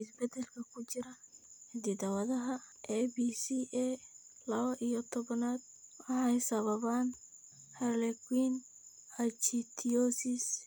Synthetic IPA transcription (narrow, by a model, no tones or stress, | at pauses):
ɪsbɛd̪ɛlkʰɐkʰʊt͡ʃɪɾɐhɪd̪id̪ɐwɐðɐɦɐʔɛbisiːʔɛ | lɐβɐʔijɔt̪ʰɔβnaːd̪̚ | wɑħɑjsɐβɐβaːn | hɛrlɛɡwiːn | ɐt͡ʃit̪ʰiɔsɪs